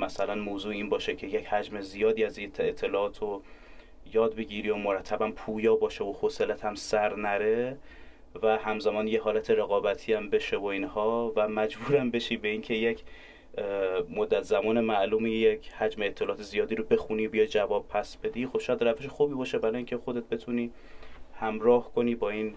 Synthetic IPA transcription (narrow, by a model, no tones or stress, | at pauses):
mæsælænmoːzuːiːnbɒːʃecʰe̞jechæd͡ʒme̞zijɒːd̪iːæzit̪ʰet̪ʰːelɒːʔːt̪ʰo | jɒːd̪̚be̞ɟiɾiomoɾæt̪ʰːæbænpʰuːjɒːbɒːʃeoxoselæt̪ʰæmsæɾnæɾe̞ | væhæmzæmɒːnjeɦɒːlæt̪ʰe̞ɾe̞ɣɒːbæt̪ʰiːæmbe̞ʃevoinhɒːvæmæd͡ʒbuːɾæmbe̞ʃiːbe̞iːŋcʰe̞jec | mod̪ːæt̪ʰzæmɒːnemæʔluːmijecʰhæd͡ʒmeːt̪ʰːelɒːʔːt̪ezijɒːd̪iːɾobe̞xuniːbijɒjd͡ʒævɒːb̥̚pʰæsb̥e̞d̪iːxo̞b̥ʃɔjæd̪ræfeʃexuːbiːbɒːʃe̞bæɾɒːjincʰe̞xo̞d̪e̞t̪̚be̞t̪ʰuniː | hæmɾɒːhkʰo̞niːbɒːiːn